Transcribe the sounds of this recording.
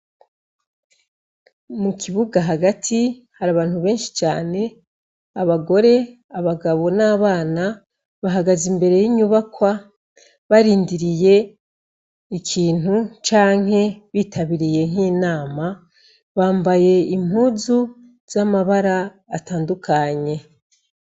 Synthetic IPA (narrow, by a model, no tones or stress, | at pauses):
mukʰiβuɡaɦaɡatʰi | haɾaːβaːnhuβe̞ːnʃi̥t͡ʃaːne̞ | aβaɡo̞ɾe̞ | aβaɡaβo̞naːβaːna | βaɦaɡazimbe̞ɾe̞jiɲuβakwa | βaɾiːndiɾije̞ | ikʰiːnhut͡ʃaːŋ̥ɦhe̞βiːtʰaβiɾije̞ŋiːnaːma | βaːmbaje̞im̥huːzu | z̥amaβaɾaː | taːndukʰaɲe̞